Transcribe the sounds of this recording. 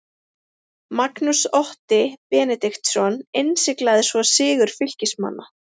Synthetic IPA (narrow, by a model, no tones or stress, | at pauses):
maknusɔht̪ɪpɛːnɛt̪ɪxt̪sɔnejnsɪklaðɪsvɔsɪːɣʏɾ̥fɪl̥cɪsma̰nːa